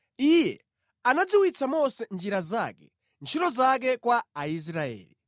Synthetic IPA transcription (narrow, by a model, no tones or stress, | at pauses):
ijɛ̰ | anad͡ziwit͡sʰamɔsɛnd͡ʒiɾazakɛ | nt͡ʃʰitɔzak̬ɛkwaːis̬ɾaɛ̰ːli